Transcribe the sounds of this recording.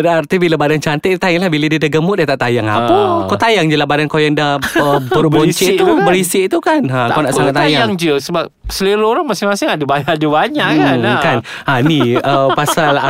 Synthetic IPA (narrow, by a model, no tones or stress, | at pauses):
daart̪ibilabadant͡ʃant̪ət̪ajaŋlahbiladiadaɡəmʊʔ̚diat̪aʔt̪ajaŋa̰əkawt̪ajaŋd͡ʒəlahbadankajaŋdahəbbəboɲt͡ʃit̪ubəɾisɪʔt̪ukanaaawnaʔsaŋat̪ajaaŋd͡ʒəsəbap̚səliɾoɾaŋmasɪŋmasɪŋadəbajadəbaɲaʔaŋkananiəpasala